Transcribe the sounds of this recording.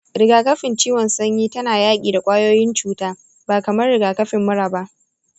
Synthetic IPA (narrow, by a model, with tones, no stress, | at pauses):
ɾɪ˨ɡaː˨kɐ˦ɸɪ˨nt͡ʃiː˦wɔ˨nsɐ˦ɲjiː˦tɐ˦naː˨jaː˦kʲʼiː˨da˨kʷʼaː˦joː˦jɪ˦nt͡ʃuː˦taː˦ | baː˨kɐ˨mɐ˦rɽɪ˨ɡaː˨kɐ˦ɸɪ˨mːʊ˦ɽaː˨baː˦ʔ